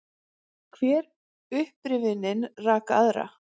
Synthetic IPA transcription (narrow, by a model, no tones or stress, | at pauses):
kʰv̥ɛːɾ | ʏhpɾɪvɪnɪnraːkaðɾa̰